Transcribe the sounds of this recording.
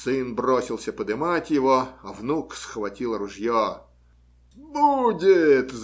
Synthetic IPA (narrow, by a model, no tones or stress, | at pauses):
sɪnbɾɔsʲɪlˠsʲɐpəd̪ɪmatʲjɪʋɔɐvnuksxʋɐtʲilˠɾʊʐjɔ | budʲɪt̪z